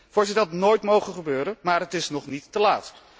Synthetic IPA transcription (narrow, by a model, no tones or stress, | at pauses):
fʊːɹzɪtətnoːjtmowχənχəbøːɾənmaːɹɦətɪsnɔχnitːəlaːt